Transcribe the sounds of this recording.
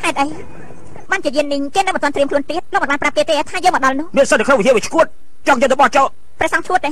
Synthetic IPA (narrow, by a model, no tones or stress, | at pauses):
t̪ʰaɛt̪̚ʔəj | ɓaːnt͡ɕiəjiənːiɲkeːnɨwmənt̪ŏət̪riəmkʰluənt̪iət̪̚loːk̚mənɓaːnːprap̚ːeːt̪eːt̪ʰaːjəːŋmɔəɗɑlnʊ̆əhmiənsət̪ːəkʰnoŋʋiɦiəʋiət͡ɕʰkuət̪̚ | t͡ɕɑŋjət̪əɓɑht͡ɕɔʔ | prɛ̆əsɑŋt͡ɕʰuət̪̚ːeː